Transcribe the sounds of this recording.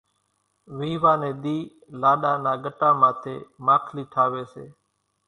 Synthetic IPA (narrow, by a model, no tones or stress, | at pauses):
ʋiːʋãːnẽːɗ̪iː | laːɗaːnãːɡəʈãːmãːt̪ʰḛːmaːkʰliːʈʰaːʋeːsḛː